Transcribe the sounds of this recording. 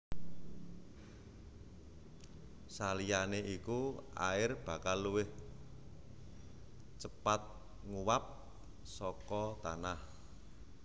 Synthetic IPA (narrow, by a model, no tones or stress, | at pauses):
salijaneʔikua̰ɪrb̥ä̤kalːuwɪh | t͡ʃəpat̪̚ | ŋuwap̚ | sɔkɔt̪anah